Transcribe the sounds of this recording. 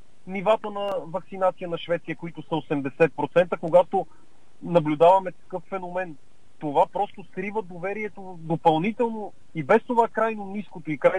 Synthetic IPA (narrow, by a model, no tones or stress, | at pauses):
nivat̪ənɐvɐksinat̪sijənɐʃvɛt̪sijəkoit̪ʊsɐosɛmd̪ɛsɛt̪̚pɾot̪sɛnt̪əkoɡat̪o | nɐblʲud̪avɐmɛt̪ɐ̥kɤfːɛnomɛn | t̪ovapɾɔst̪osɾivəd̪ovɛɾiɛt̪o | d̪opɐlˠnit̪ɛlˠno | ibɛst̪ovakɾajnoniskot̪oikɾa